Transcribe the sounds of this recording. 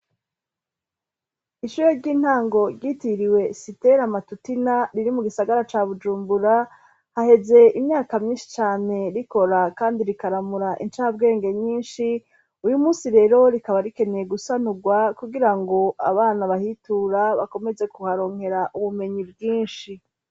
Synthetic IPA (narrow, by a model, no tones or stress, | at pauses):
iʃuɾoɾɟiːn̥haːŋɡo̞ɾɟitiɾiwe̞siteɾamatutinaɾiɾimuɡisaɡaɾat͡ʃaβud͡ʒuːmbuɾa | hahe̞ze̞imɲaːkamɲiːʃi̥t͡ʃaːne̞ɾiko̞ɾakaːndiɾikaɾamuɾaʔint͡ʃaːb̚ɡe̞ːŋɡe̞ɲiːnʃi | ujumuːsiɾe̞ːɾo̞ɾikaβaɾike̞nejeɡusanuɡwakuɡiɾaŋɡo̞ʔa̰βaːnaβahituːɾaβako̞me̞ze̞kuhaɾo̞ŋhe̞ɾaʔuβume̞ɲib̚ɡiːnʃi